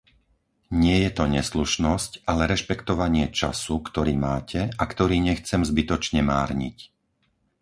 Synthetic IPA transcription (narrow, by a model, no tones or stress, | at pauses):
ɲɪɛjɛt̪ɔɲɛsluʃnɔscʔalɛɾɛʃpɛkt̪ɔʋaɲɪɛt͡ʃa̰sukt̪ɔɾiːmaːcʰɛakt̪ɔɾiːɲɛxt͡sɛmzbit̪ɔt͡ʃɲɛmaːɾɲḭc